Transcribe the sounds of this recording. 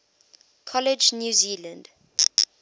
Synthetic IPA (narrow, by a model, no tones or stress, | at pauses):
kʰɔlɛd͡ʒnjuːziːlə̃nd